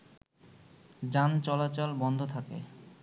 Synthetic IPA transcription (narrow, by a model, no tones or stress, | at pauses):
d͡ʑant͡ɕɔlat͡ɕolbɔnd̪ʱot̪ʰakḛ